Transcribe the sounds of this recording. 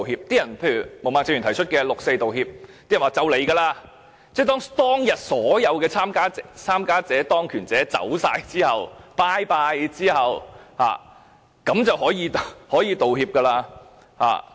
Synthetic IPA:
hiː˧p̚t̪iː˥jɐ˨˩npʰe˧jy˨˩mo˨˩wmaː˨ŋt͡sɪ˧ŋy˨˩t̪ʰjt͡ʃʰɵ˥t̚kɛː˧lo˨k̚se˧jt̪o˨whiː˧p̚t̪i˥ɐ˨˩waː˨˩t͡sɐ˨˧wle˨˩jɡɐː˧laː˧ | t͡sɛː˥˩t̪ɔː˥ŋt̪ɔː˥ŋjɐ˨t̚sɔː˨˥jɐ˨˧wkɛː˧t͡sʰaː˥mkaː˥t͡st͡sʰaː˥mkaː˥t͡sɛː˨˥t̪ɔː˥ŋkʰyː˨˩nt͡sɛː˨˥t͡sɐ̰˨˥wsaː˧jt͡siː˥hɐ˨wpaː˥jpaː˧jt͡siː˥hɐ˨wha̰ː˨ | kɐ˨˥mt͡sɐ˨wɦɔː˨˥jiː˧hɔː˨˥jiː˧t̪o˨whiː˧p̚kɐ˧laː˧ | ha̰ː˨˩

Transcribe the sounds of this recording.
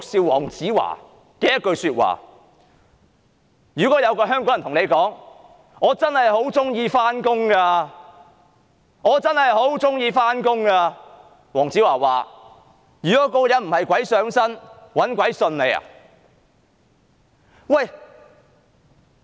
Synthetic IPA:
t͡sʊ˨k̚si˧wwɔ̰ː˨˩ŋt͡siː˨˥wa̰ː˨˩ | kɛː˧jɐ˥t̚kɵ˧ɥsyː˧t̚wa̰ː˨˩ | jyː˨˩kɔː˨˥jɐ˨˧wkɔː˧ɦœː˥ŋkɔː˨˦˥jɐ˨˩t̪ʊ˨ŋne˨˧jkɔː˨˥ŋ | ŋɔː˨˧t͡sɐ˥nhɐ˨jho˨˥wt͡sʊ˥ŋjiː˧faː˥nkʊ˥ŋkaː˧ | ŋɔː˨˧t͡sɐ˥nhɐ˨jho˨˥wt͡sʊ˥ŋjiː˧faː˥nkʊ˥ŋkaː˧ | wɔː˨˩ŋt͡siː˨˥waː˨˩waː˨ | jyː˨˩kɔː˨˥kɔː˧jɐ˨nm̩˨˩hɐ˨jkʷɐ˨˥jsœː˨˥ŋsɐ˥nwɐ˨˥nkʷɐ˨˥jsɵ˧nle˨˧jɐ̰˨ | wɐ˥˨j

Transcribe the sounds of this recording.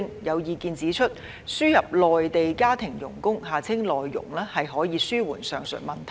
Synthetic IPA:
ŋjɐ˨˧wjiː˨˧kiː˨˧nt͡siː˨˥t͡ʃʰɵ˥t̚ | syː˥jɐ˨p̚lɔː˨jt̪e˨jkaː˥t̪ʰɪ˨˩ŋjʊ̰˨˩ŋkʊ˥ŋɦaː˨˩t͡sʰɪ˥ŋlɔː˨jːʊ̰˨˩ŋlɛː˥hɐ˨jɦɔː˨˥jiː˨˧syː˥wuː˨˩nsœː˨ŋsœ̰˨˩mɐ˨˩nt̪ʰ

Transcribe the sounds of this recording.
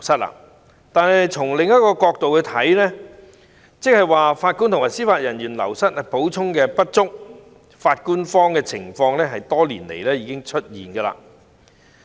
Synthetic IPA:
sɐ˥t̚la̰ː˧ | t̪aː˨nhɐ˨jt͡sʰʊ˨˩ŋlɪ˨ŋːɐ˥t̚kɔː˧kɔː˧k̚t̪o˨wkɵ˧ɥt̪ʰɐ˨˥jlɛː˥ | t͡sɪ˨k̚hɐ˨jwaː˨faː˧t̚ku˥nt̪ʰʊ˨˩ŋwaː˨˩jsiː˥faː˧t̚jɐ˨˩njyː˨˩nlɐ̰˨˩wsɐ˥t̚ɛ˨po˨˥wt͡sʰʊ˥ŋkɛː˧pɐ˥t̚t͡sʊ˥k̚ | faː˧t̚kuː˥nfɔː˥ŋkɛː˧t͡sʰɪ̰˨˩ŋfɔː˧ŋlɛː˥ɦɐ˨jt̪ɔː˥lḭː˨˩nlḛ˨˩jlɛː˥jiː˧kɪ˥ŋt͡ʃʰɵ˥t̚jḭː˨˩nɡɐː˧la̰ː˧

